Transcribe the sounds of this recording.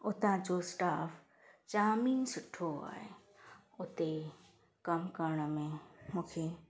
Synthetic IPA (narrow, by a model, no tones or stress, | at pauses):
ʊt̪ãt͡ʃosʈaːfʰ | t͡ʃaːmiːnsʊʈʰoa̰ːḛ | ʊt̪e | kɐmkaːɽ̃amẽmʊkʰe